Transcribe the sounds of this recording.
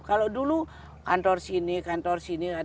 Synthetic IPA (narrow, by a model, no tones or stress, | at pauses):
kalodulu | kant̪ɔrsinikant̪ɔrsinia